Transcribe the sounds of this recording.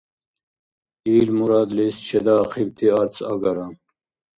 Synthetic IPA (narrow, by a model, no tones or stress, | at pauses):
iːlmuɾɑːd̪list͡ɕʰɛd̪aːqʰib̚t̪ʰiaɾt͡sʰɐ̰ɡɐɾam